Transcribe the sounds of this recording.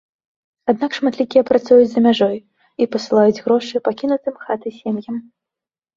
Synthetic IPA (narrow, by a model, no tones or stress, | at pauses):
ad̪̚nakʂmat̪lʲikʲijɛpɾat̪sujud͡zʲzɐmʲaʐɔj | ipɐsɨlˠajud͡zʲɣɾɔʂɨpakʲinut̪ɨmxat̪ɨsʲemjɐm